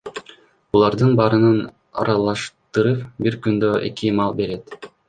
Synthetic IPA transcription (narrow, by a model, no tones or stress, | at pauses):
bulˠɑɾd̪ɯnbɑːɾɯnɯn | ɑ̰ɾɑlˠɑʃt̪ɯɾɯpbiɾkynd̪øʔḛkimɑlˠbe̞ɾe̞t̪